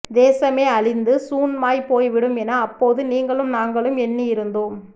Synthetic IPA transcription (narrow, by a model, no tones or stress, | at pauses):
d̪eːsɐmeːɐɭɪnd̪ɯsuːnmaːjpoːjʋɪɽɯmɛnɐːpːoːðɯniːŋɡɐɭɯmnaːŋɡɐɭɯmɛnːiɪɾɯnd̪oːm